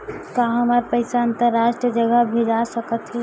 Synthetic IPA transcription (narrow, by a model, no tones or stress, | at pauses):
kaɦəmaɾpəɪsaənt̪əɾːaʃʈiəd͡ʒəɡəbʱed͡ʒasəkət̪ɦɛ